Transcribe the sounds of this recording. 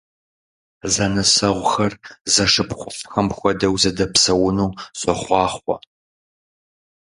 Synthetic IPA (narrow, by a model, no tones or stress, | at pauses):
zɐnɨsɐʁʷʊxɐrzɐʂɨpχʷʊfxɐmxʷɔdɐwzɐdɐpsɐwʊnuːɕʼɔχʷɑːχʷɔ̰